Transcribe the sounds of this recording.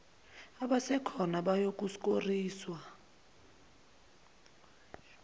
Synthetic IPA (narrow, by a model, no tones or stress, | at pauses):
aɓasɛkʰɔnaɓajok̬ʼusk̬ʼoriːswa